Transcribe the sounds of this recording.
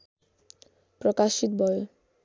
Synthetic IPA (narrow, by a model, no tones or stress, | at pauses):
pɾɔkaʃit̪bɔjo